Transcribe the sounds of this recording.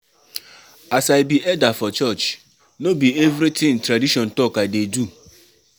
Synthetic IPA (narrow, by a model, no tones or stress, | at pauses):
asaɪbiʔɛdafɔt͡ʃɔt͡ʃ | nobievɾitʰɪ̃ŋtɾadiʃɔ̃ntɔkaɪdedu